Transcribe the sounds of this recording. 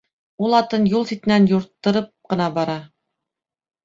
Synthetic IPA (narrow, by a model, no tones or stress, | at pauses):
ulˠɑt̪ɤnjulˠsit̪ɘ̆nænjŏɾt̪ːɤ̆ɾɤp̚qɤ̆nɑbɑɾɑ